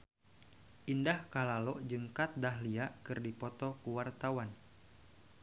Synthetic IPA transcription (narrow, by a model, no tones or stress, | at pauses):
ʔindahkalalɔʔd͡ʒɨŋkat̪̚daɦliaʔkɨrdipɔt̪ɔkuwart̪awan